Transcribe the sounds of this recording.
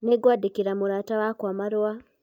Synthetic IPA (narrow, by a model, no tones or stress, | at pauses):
neɡwaːdikiɾamuɾaːtawakwaːmaɾwa